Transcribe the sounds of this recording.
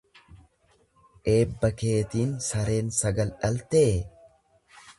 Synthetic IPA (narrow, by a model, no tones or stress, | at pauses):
ʔe̞ːbːɐke̞ːt̪iːnsɐɾe̞ːnsɐɡɐlᶑɐlt̪eː